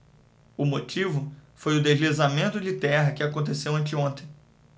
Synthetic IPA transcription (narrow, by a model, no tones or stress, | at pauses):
ʊmot͡ʃivʊfojʊd̪ezlizamẽnt̪ʊd͡ʒɪt̪ɛɦɐkɪakõnt̪̬esewɐ̃nt͡ʃɪõnt̪ẽj̃